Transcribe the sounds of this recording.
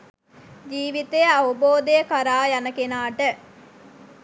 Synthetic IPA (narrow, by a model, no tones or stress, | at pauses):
d͡ʒiːʋit̪ejɐʋuboːd̪ejəkɐɾaːjɐnəkenaːʈə